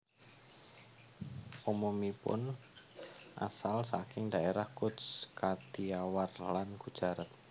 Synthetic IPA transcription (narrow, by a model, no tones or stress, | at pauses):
pomomipʊ̰n | ʔa̰salsakɪŋd̪aeɾahkʊt̪skat̪iawarlankud̥ʒ̥aɾət̪̚